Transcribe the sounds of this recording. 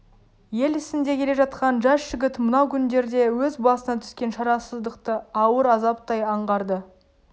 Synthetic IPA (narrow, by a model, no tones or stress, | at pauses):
je̞lɪsɪnd̪e̞kʲʰe̞le̞ʒɑt̪̚qɑnʒɑsʒ̥ɪɡʲɪt̪mənɑwkʲʰʏnd̪e̞ɾd̪e̞wɵzbɑsənɑt̪ʰʏ̥skʲe̞nʃɑɾɑsəzd̪əqt̪əɑwəɾɑzɑpt̪ɑjɑɴʁɑɾd̪ə